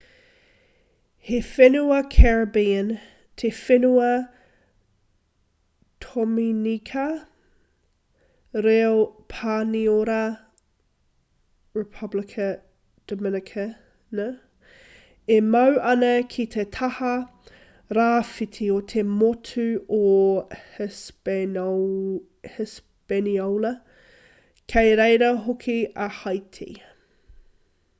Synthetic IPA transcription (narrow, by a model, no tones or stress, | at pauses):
hefenuɐkʰɛɹəbiən | tʰefenuɐ | tʰominikʰɐ | ɾeopʰaːnioɾɐ | ɹɪpʰɐblɪkʰə | d̥əmɪnɪkʰə | nɐ | emɐwʔɐnɐkʰit̪ʰet̪ʰɐhɐ | ɾaːfit̪ʰiot̪ʰemotʰʉo | hɪs | peniowlɐ | kʰejɾejɾɐɦokʰiɐhɐjtʰḭ